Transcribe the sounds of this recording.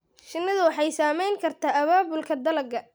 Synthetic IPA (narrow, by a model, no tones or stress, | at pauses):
ʃɪnːɐðʊwɑħɑjsaːmɛjŋkʰɐrt̪ʰaːʔɐβaːbʊlkʰɐd̪ɐlɐɡɐ